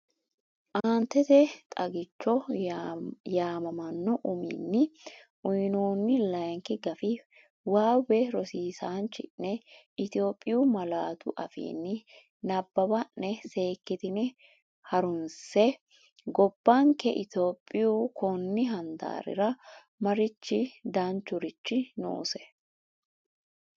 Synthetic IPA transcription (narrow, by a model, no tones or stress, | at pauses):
ʔaːnt̪ːɛt̪ɛt̪ʼɐɡɪt͡ʃːɔ | jaːmɐmɐnːɔʔʊmḭnːɪ | ʔʊjnoːnːɪlɐjŋkɪɡɐfɪ | waːwɛɾɔsiːsaːnt͡ʃːɪnːɛ | ɪt̪ɪo̞ːpʼːɪjumɐlaːt̪ʊ̰ʔɐfḭːnːɪ | nɐbːɐbɐnːɛse̞ːkːɪt̪ɪnɪ | hɐɾʊnsɛ | ɡɔb̥ːɐŋkːɛʔɪt̪oːpʼːɪjukʰɔnːɪɦɐnd̪a̰ːɾɪ̰ɾɐ | mɐɾɪt͡ʃːɪd̪ɐnt͡ʃːʊɾɪt͡ʃːɪno̰ːsɛ̥